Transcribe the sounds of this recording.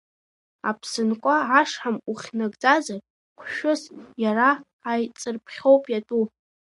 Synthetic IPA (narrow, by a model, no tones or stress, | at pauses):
a̰pʰsɨnkʷʼaʕaʂħamuχʲnaɡʼd͡zazar | qʷʰʃᶣʊsjaraː | jt͡sʼɨrpʰχʲo̞wpʼjatʼu